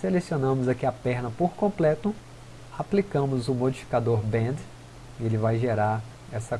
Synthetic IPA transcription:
selesionɐ̃mʊzakiɐpɛɾnɐpoɾkõmplɛt̪ʊ | aplikɐ̃mʊzʊmod͡ʒifi̥kad̪oɾbẽd̪ | elɪvajʒeɾaɾ | ɛsɐ

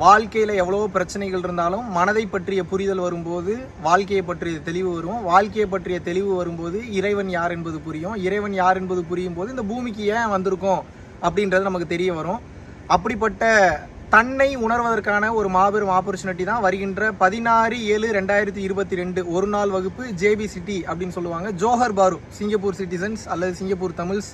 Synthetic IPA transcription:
ʋaːɭkɐjɪlɐɛʋːɐɭoːpɪɾɐt͡ʃːɐnɐɪɣɐɭɪɾɯnd̪aːlɯmːɐnɐðɐɪpːɐʈrɪjɐpʊɾɪðɐlʋɐɾɯmpoːðɯ | ʋaːɭkɐjɐpːɐʈrɪjɐt̪ɛɭɪʋɯʋɐɾɯʋõʋaːɭkɐjɐp̬ːɐʈrɪjɐt̪ɛɭɪʋɯʋɐɾɯmpoːðɯɪɾɐɪʋɐnjaːɾɛnbɐðɯpʊɾɪjʊ̃ɪɾɐɪʋɐnjaːɾɛnpɐðɯpʊɾɪjɯmpoːðɯɪnd̪ɐbuːmɪkːɯjeːʋɐnd̪ɯɾɯkːõ | ɐpːɐɽɪndɾɐðɯnɐmɐkːɯt̪ɛɾɪjɐʋɐɾʊ̃ | ɐpːɐɽɪp̬ːɐʈːɐ | t̪ɐɳːɐɪʊɳɐɾʋɐðɐɾkaːnɐɔɾɯmaːbɛɾɐmaːp̬ɔɾt͡ʃːɐnɪʈːit̪ãːʋɐɾɯɣɪndrɐpɐðɪnaːɾieːɭɯɾɛɳɖaːjɪɾɐt̪ːiɪɾɯbɐt̪ːiɾɛɳɖɯɔɾɯnaːlʋɐɣɯpːɯd͡ʒeːbisɪʈːiɐpːɐɽɪnːɯsɔlːɯʋaːŋɡɐd͡ʒoːɦɐɾbaːɾɯsɪŋɡɐp̬ːuːɾsɪʈ̬ːɪs̬ɐnsɐlːɐðɯsɪŋɡɐp̬ːuːɾt̪ɐmɯls

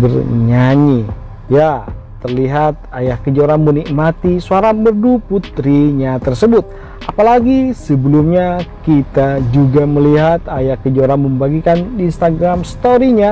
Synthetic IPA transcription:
bərɲaɲi | jat̪ːərliɦat̪̚ajahkəd͡ʒoɾanmənikmat̪isuaɾabərduput̪ɾiɲat̪ərsəbʊt̪̚ | ʔapalaɡisəbəlumɲakit̪ad͡ʒuɡaməliɦat̪ajahkəd͡ʒoɾanməmbaɡikaninst̪aɡɾamst̪oɾiɲa

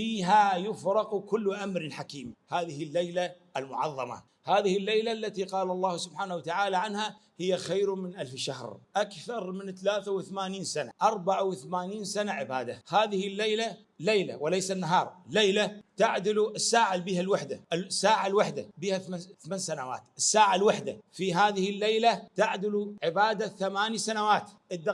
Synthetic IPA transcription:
fiːɦajʊfɾˤɑqkʊlːʔamɾɪħakiːmhaːðɪhɪlːejlaʔɪlmʊʕɑðˤːɑma̰ | haːðɪhɪlːejlalːat̪iqɑːlɑlˤːɑːhsʊbħaːnaawat̪aʕaːlaʕanhahɪjːaxajɾmɪnʔalfʃahɾʔakθɑɾˤmɪnt̪alaːθawɪθamaːniːnsana̰ʔɑɾˤbaʕawɪθamaːniːnsanaʕɪbaːd̪ahaːðɪhɪlːejla | lejla̰wɪlejsanːaɦɑːɾˤlːejlat̪aʕd̪ɪluʔɪsːaːʕalbiːhalwaħd̪asːaːʕalwaħd̪abiːhaθθmansanawa̰ːt̪ʔɪsːaːʕalwaħd̪afiɦaːðɪhɪlːejlat̪aʕd̪ɪluʕɪbaːd̪aθamaːnisanawaːt̪ʔɪd̪ː

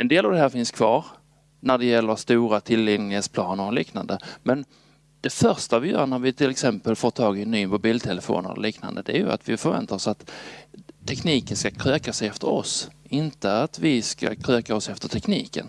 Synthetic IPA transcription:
ɛnd̪eːlavd̪ɛɦæːɾfɪnskʰvɑːɾ | næɖɛjɛlːəɾst̪uːɾat̪ʰɪlːɪŋnɪheːt̪spʰlɑːnəɾɔliːknand̪əmɛn | d̪̥ɛfœɾʂt̪avɪjœ̰ːɳæɾvɪt̪ʰɪlɛksɛmpəlfoːt̪ʰːɑːɡɪnːyːmʊbiːlt̪ʰɛləfo̰ːnə̰l̰liːkna̰nd̪ə̰d̪ɛæ̰ɾjɵ̰a̰t̪vɪfœɾvɛ̰nt̪aɾɔsat̪ | t̪ʰːɛkniːkənskakʰɾøːkasɛjɛft̪əɾɔ̰sɪnt̪əat̪vɪska̰kʰɾøːkaɔsɛft̪əʈʰɛkniːkə̰n

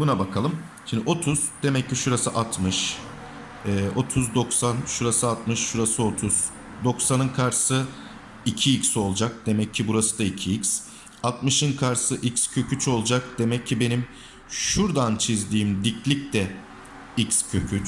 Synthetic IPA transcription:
bunabakʰalˠɯm | ʃimd̪io̞t̪ʰuz̥d̪̥e̞mɛcːiʃuɾasɯʔat̪mɯʃ | ɛːo̞t̪ʰuzd̪o̞ksanʃuɾasɯat̪mɯʃːuɾasɯo̞t̪ʰuz̥ | d̪o̞ksanɯnkʰaɾsɯ | icʰiicso̞lˠd͡ʒak̚d̪̥e̞mɛcʰːibuɾasɯd̪aicʰiics | at̪mɯʃɯnkʰaɾsɯʔicscʰø̞cʰyt͡ʃo̞lˠd͡ʒak̚d̪̥e̞mɛcʰːibe̞nim | ʃuɾd̪ant͡ʃʰizd̪iːmd̪iclʲic̚t̪ɛ | icscʰøcʰyt͡ʃ

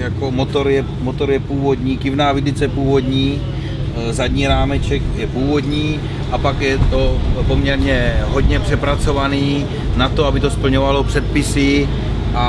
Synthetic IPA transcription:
jako̞mo̞t̪o̞ɾjɛ | mot̪o̞ɾjɛpuːvo̞d̪ɲiːkɪvnaːvɪdɪt͡sɛpuːvo̞d̪ɲiː | zadɲiːɾaːmɛt͡ʃɛkjɛpuːvo̞d̪ɲiː | ʔapakjɛt̪o̞po̞mɲɛɾɲɛɦo̞d̪ɲɛpr̝̥ɛpɾat͡so̞vaniː | nat̪oabɪt̪o̞spl̩ɲovalo̞pr̝̥ɛt̪̚pɪsɪ | ʔa

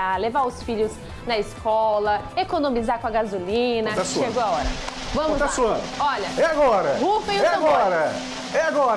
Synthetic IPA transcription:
alevaʊsfiʎʊz | nɐiskɔlɐekonõmizaɾkõɐɡazulĩnɐt̪asʃeɡoaɔɾɐ̰vɐ̃mʊt̪asuɐ̃d̪ʊɔʎɐɛaɡɔɾɐhufẽj̃ɛaaɡɔɾɐ | ɛaɡɔɾ

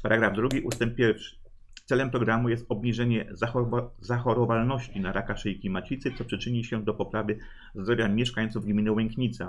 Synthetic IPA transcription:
paɾaɡɾavd̪ɾuɡʲiʔust̪ɛmp̚pʲːjɛɾfʂɘ̥ | t̪sɛlɛmpɾɔɡɾamujɛst̪ɔbɲiʐɛɲɛ | zaxɔɾɔvalnɔɕt͡ɕinaɾakaʂɛjiklʲimat͡ɕit̪sɘt̪sɔpʂɘt͡ʂɘɲiɕɛd̪ɔpɔpɾavɘ | zd̪ɾɔvʲjamʲjɛʂkajɔnt̪suvɡmʲinɘwɛŋkɲit̪sa

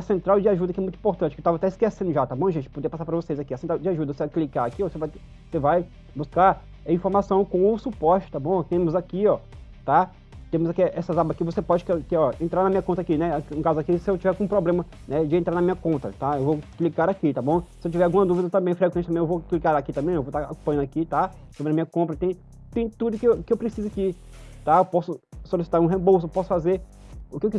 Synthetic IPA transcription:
ɐsẽnt̪ɾawd͡ʒɪaʒud̪ɐkɛmũt̪uĩpoɾt̪ɐ̃t͡ʃɪkewt̪avɐat̪ɛiskesẽnd̪ʊʒat̪abõw̃ʒẽt͡ʃɪ̥pod̪epasaɾpɾɐvosejzakiɐsẽnt̪ɾawd͡ʒɪaʒud̪ɐvosevajklikaɾakiɔvosevaj | sevaj | buskaɾ | ɐĩfoɾmasɐ̃w̃kõʊsupɔst͡ʃʊ̥t̪abõw̃t̪ẽmʊzakiɔt̪a | t̪ẽmʊzakiʔɛsɐzabɐakivosepɔd͡ʒɪkɛkeɔẽt̪ɾaɾnɐmĩɲɐkõnt̪akinɛakũkazʊakisɪewt͡ʃivɛɾkõũpɾoblẽmɐ | nɛd͡ʒɪẽnt̪ɾaɾnɐmĩɲɐkõnt̪ɐt̪aewvoklikaɾakit̪abõsɪewt͡ʃivɛɾawɡũmɐd̪uvid̪ɐt̪ɐ̃mbẽj̃fɾek̬wẽt͡ʃɪt̪mẽewvoklikaɾakit̪ɐ̃bẽj̃ewvot̪aokopõjɐ̃nakit̪a | sobɾɐmĩɲɐkõmpɾɐt̪ẽj̃ | t̪ẽj̃t̪ud̪ʊkɪwkɪewpɾesizʊaki | t̪aewpɔsʊsolisi̥t̪aɾũɦẽbowsʊpɔsʊ̥fazeɾ | ʊkɪewki

